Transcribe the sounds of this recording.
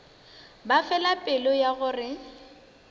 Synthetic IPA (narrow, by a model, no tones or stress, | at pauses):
bafɛlapʼɪlɔjaɣʊrɪ